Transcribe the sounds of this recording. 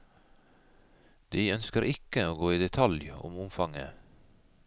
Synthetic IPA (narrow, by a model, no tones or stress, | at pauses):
d̪̥iːœnskəɾʔɪkəoːɡoːiːd̪ɛt̪ʰɑljʊ̰mʊmfɑŋə̰